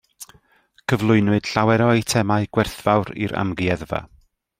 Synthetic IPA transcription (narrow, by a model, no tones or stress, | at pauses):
kʰəvlˠʊɨnwɨd̥ɬawɛɾɔitʰɛmaɨɡ̥wɛrθv̥awɾḭɾa̰mɡiɛðva̰